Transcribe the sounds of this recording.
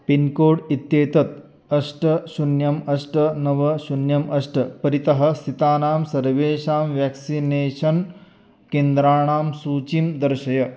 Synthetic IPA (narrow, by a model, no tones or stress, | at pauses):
pinkoːɽit̪jeːt̪ɐt̪ | ɐʂʈɐʃunjɐmɐʂʈɐnɐʋɐʃunjɐmʔɐʂʈɐpɐɾit̪ɐɦɐ̆st̪ʰit̪aːnaːmsɐɾʋeːʃaːmʋjæːksineːʃɐn | keːnd̪ɾaːɳaːmsuːt͡ʃimd̪ɐɾʃɐjɐ